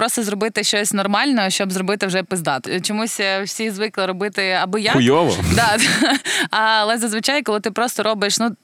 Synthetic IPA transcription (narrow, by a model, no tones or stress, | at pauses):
pɾɔst̪ɔzrɔbɪt̪ɪʃt͡ʃɔsʲnɔrmɑlʲnɔɦɔʃt͡ʃɔbzɾɔbɪt̪ɪwʒɛpɪzd̪ɑt̪t͡ʃɔmusʲwsʲizʋɪklˠɐɾɔbɪt̪ɪɐbɔjaʊjɔʋɔ̰d̪ɑd̪ | ɐɐlˠɛzɐzʋɪt͡ʃɑjkɔlˠɪt̪ɪpɾɔst̪ɔɾɔbɪʃnu